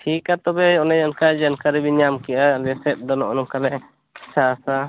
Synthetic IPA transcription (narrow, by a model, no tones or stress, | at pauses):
ʈʰikat̪ɔbɛɔnɛd͡ʒankad͡ʒankaɾɛbiɲamkɛʔalɛsɛt̪̚ˀd̪ɔnɔʔɔnɔmkalɛʔ | ki̥saːsa